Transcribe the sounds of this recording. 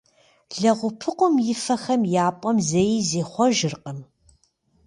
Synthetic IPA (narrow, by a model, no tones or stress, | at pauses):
ɮɐʁʷʊpʰɨqʷʼʊmjɪfɐxɐmjaːpʷʼɔmzejizeːχʷɔʒɪrqʼəm